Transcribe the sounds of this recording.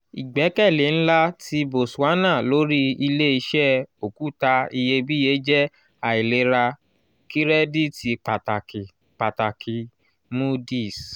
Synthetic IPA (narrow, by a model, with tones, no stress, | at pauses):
i˨ɡ͡bɛ˨˦kɛ˦˨le˨˦ñ̩˦la˦ti˧˦bo˨sa˨˦nã˦˨lo˨˦ɾi˦i˧le˦i˧ʃɛ˦o˨ku˨˦ta˧i˧je˧bi˦je˨˦d͡ʒɛ˦ | a˨i˨le˨˦ɾa˧ | ki˦ɾɛ˦di˦˨ti˧k͡pa˨t | k͡pa˨ta˨kʰi˨ | mu˦di˦˨s